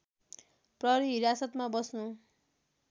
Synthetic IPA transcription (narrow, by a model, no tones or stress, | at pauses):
prʌɾiɦiɾasʌt̪mabʌsnu